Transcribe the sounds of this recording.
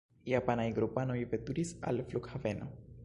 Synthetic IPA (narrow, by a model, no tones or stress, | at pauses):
japanaiɡɾopanojvet̪uɾisa̰lflukxaveno̰